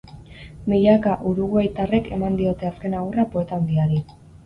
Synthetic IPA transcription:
miʎakaʔuɾuɣuajt̪are̞ke̞mand̪io̞t̪e̞aske̞naɣurapoe̞t̪and̪iaɾi

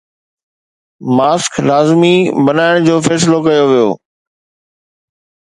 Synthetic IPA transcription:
maːsklaːzmibɐnaːɪɽ̃d͡ʑoːfɛːs̬lokɐjoʋijo̰ː

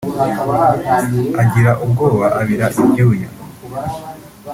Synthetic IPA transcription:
aɟiɾaʔub̚ɡo̞ːβaʔaβiɾaʔibjuuja̰

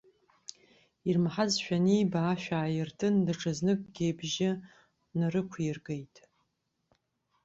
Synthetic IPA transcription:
irmħazʃᶣanijbaːʃᶣaːjɪrtʰɨndɨʈ͡ʂʰɨznɨkʼɡʲejbʒɪ | nɨɾɨkʷʰirɡejtʼ

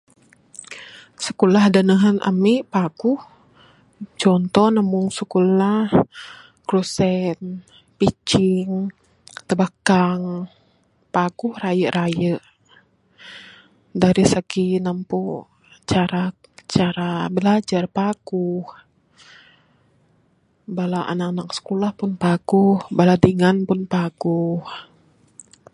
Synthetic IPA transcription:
səkulahdanəɦanʔa̰miʔpaɡuh | t͡ʃɔnt̪ɔnamuŋsəkulah | kɾusɛn | pit͡ʃiŋ | t̪əbakaŋ | pakuhrajəɾʔajəʔ | daɾisəɡinampu | t͡ʃaɾat͡ʃaɾabəlad͡ʒarpaɡ̥uh | balaʔa̰nanak̚sə̥kulahpʊnpaɡ̥uhbaladiŋanpʊnpaɡ̥uh

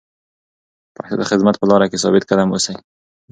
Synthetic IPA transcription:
paht̪ad̪əxɪd̪mat̪̚pəlɑɾakesɑ̰bɪt̪̚kad̪amosaj

